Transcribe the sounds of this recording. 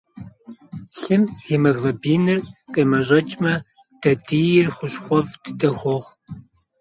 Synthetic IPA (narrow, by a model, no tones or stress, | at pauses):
ɬɨmimɐɣlɐbiːnɨrqʼeːmɐʑʷɐt͡ʃʼmɐ | d̥ɐdʰijɪrχʷʊɕxʷɔvdɨdɐxʷɔʁʷ